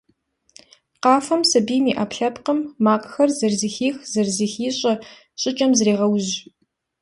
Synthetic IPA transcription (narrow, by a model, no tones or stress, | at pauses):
qɑːfɐmsɐbiːmiːʔaːpɬɐpqəmːaːkʷʼxɐrzɐrzixiːxzɐrziːxiːɕʼɐ | ɕʼɪt͡ʃʼɐmzreːʁɐwʑ